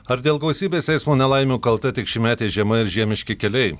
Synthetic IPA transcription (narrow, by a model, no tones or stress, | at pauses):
ɐɾd̪ʲeːlˠɡɐʊsʲiːbʲeːsʲɛɪsmoːnʲɛlˠɐɪmʲuːkɐlˠt̪ɐt̪ʲɪkʃʲɪmʲæːt̪ʲeːʒʲiɛmɐɪɾʒʲiɛmʲɪʃʲkʲɪkʲɛlʲɛɪ